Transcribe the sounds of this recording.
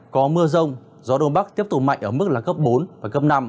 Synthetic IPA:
kɔ˨˦mɨ˧əzə˧wŋ͡m | zɔ˨˦ɗo˧nɓa˦˥k̚t̪i˦˥əp̚t̪ʊ˨˩k͡p̚ma̰˧˨jŋ̟ʔəː˧˩mɨ˦˥k̚laː˨˩kə˦˥p̚ɓo˨˦nvaː˨˩kə˦˥p̚na˧m

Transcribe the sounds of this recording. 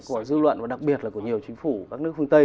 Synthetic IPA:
ku˧˩əzɨ˧lwə̰˧˨nvaː˨˩ɗa˨˩k̚ɓi˨˩ət̚laː˨˩ku˧˩əɲi˨˩əwt͡ɕï˨˦ŋ̟fu˧˩ka˦˥k̚nɨ˦˥əkfɨ˧ŋt̪ə˧j

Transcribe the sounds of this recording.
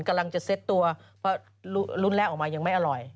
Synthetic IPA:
nka˧mla˧ŋt͡ɕa˨˩se˦˥t̪ːu˧ɐ | pʰɔ˦˥ | lu˧˥lu˦˥˩nlɛː˦˥˩wʔɔː˨˩kmaː˧ɲa˧ŋma˥˩jʔa˧ɾɔ˨˩j

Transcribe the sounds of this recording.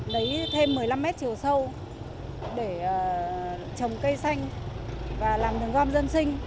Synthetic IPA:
ɗə˨˦jt̪ʰe˧mːɨ˨˩əjla˧mːɛ˦˥t̚t͡ɕi˨˩əwsə˧w | ɗe˧˩˨ | t͡ɕə˨˩wŋ͡mkə˧jsa˧jŋ̟ | vaː˨˩laː˨˩mɗɨ˨˩əŋɣɔ˧mzə˧nsï˧ŋ̟

